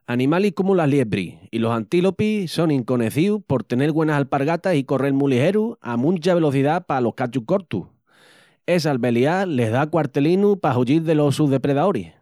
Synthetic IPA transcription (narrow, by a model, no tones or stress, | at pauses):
anĩmalihkomulaɦljeβɾḭilo̞sant̪ilo̞piso̞ŋĩŋko̞ne̞θiupo̞ɾt̪e̞ne̞ɾɣwe̞nasalpaɾɣat̪asiko̞re̞lmũliɦe̞ɾua̰mũnt͡ʃaβe̞lo̞θiðapalo̞hkat͡ʃuko̞ɾt̪ṵ | e̞s̬alβe̞liale̞ɦðakwaɾt̪e̞linupaɦuʎiɾðe̞lo̞suðe̞pɾe̞ðaoɾih